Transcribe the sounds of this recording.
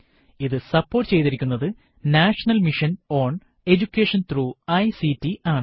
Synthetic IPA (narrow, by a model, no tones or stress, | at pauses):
iðɨsɐpːo̞ːrʈːɨt͡ɕe̞jt̪iɾikʲːunːɐðɨ | naːʂɐnɐlmiʂɐno̞ːɳ | e̞d͡ʑukʲːeːʂɐnt̪ruːɐjsitːiaːɳɨ